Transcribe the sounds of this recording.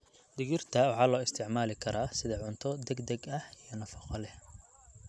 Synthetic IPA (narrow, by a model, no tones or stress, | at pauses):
d̪ɪɣɪrt̪ʰɐwɑħɑːlɔːɪst̪ʰɪʕmaːlɪkʰɐɾaːsɪðɐʕʊnt̪ʰɔd̪ɛɡd̪ɐɡɐhijɞnɐfɐqɔlɛ